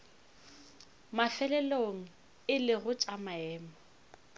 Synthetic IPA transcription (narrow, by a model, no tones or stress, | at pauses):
mafɛlɛloŋ̩ | ɪlɪɣʊt͡ʃʼamaɛːmɔ